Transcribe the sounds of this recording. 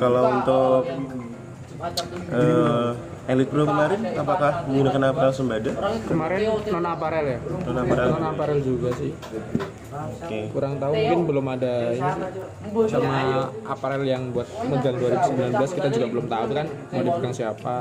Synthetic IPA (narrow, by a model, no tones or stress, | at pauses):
kalaunt̪ʊk̚ | ə | elɪt̪̚bɾokəmaɾɪnapakahɡunakanapaɾɛlsəmbadakəmaɾɪnnonaːpaɾɛljaonaɾɛnonaːpaɾɛld͡ʒuɡasɪh | okekuɾaŋt̪aummuŋkɪnbəlʊmadaini | samaapaɾɛljaŋbuat̪̚məɡaŋduaɾiɡusəmbilanbəlaskit̪ad͡ʒuɡabəlʊmt̪aʊt̪̚kanmaadipəɡaŋsiapa